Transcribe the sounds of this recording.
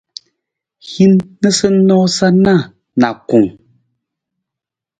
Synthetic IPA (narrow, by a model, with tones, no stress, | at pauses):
hi˦nːə˦sə˦n̩˦ɔː˦sa˦na˦˨ | na̰˨ku˨ŋ